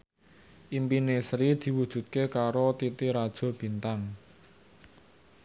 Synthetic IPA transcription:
ʔimpinesɾid̪̥i̤wud̥ʒ̥ṳt̪̚kekaɾot̪it̪iɾad̥ʒ̥ɔ̤b̥i̤nt̪aŋ

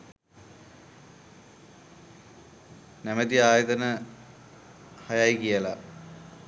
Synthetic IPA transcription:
næmət̪iaːjɐd̪ɐnə | hɐjajkijəla

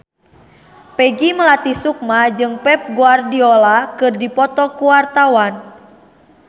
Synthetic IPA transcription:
pɛɡiməlat̪isuk̚mad͡ʒɨŋpɛp̚ɡuardiɔlakɨrdipɔt̪ɔkuwart̪awan

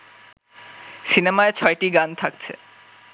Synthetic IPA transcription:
sinemaet͡ɕʰɔeʈiɡant̪ʰakt͡ɕʰḛ

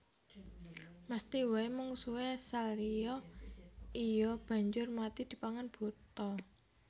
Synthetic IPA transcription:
məst̪iwaemʊŋsuwɛsalrijɔ | ijɔb̥ä̤ɲd͡ʒʊrmat̪id̪̥i̤paŋanb̥o̤t̪ɔ

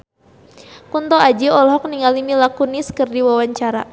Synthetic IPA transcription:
kunt̪ɔad͡ʒiɔlɦɔk̚niŋalimilakuniskɨrdiwawaɲt͡ʃaɾa̰

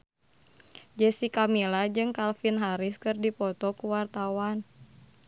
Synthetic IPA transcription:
d͡ʒɛsikamilad͡ʒɨŋkalfinɦaɾiskɨrdipɔt̪ɔkuwart̪awan

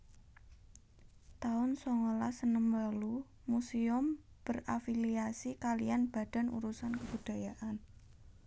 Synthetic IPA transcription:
t̪aʊnsoŋolasənəmbəlu | musiʊm | b̥ə̤rafiliasikalijanb̥ä̤d̪̥a̤nṵɾusankəb̥ṳd̪̥a̤jaʔan

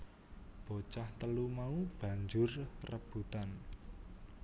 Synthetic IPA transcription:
b̥ot͡ʃaht̪əlumaub̥ä̤ɲd͡ʒʊrrəb̥ṳt̪an

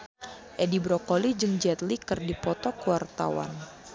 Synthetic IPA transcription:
ʔɛdibɾɔkolid͡ʒɨŋd͡ʒɛt̪likɨrdipɔt̪ɔkuwart̪a̰wa̰n

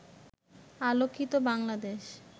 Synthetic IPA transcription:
alokʰːit̪obaŋlad̪eʃ

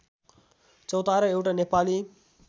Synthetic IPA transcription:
t͡sʌwt̪aɾʌewʈanepali

